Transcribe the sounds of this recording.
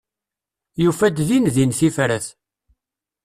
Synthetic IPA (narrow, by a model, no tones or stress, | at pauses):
jufæd̪ðinðinθifɾæθ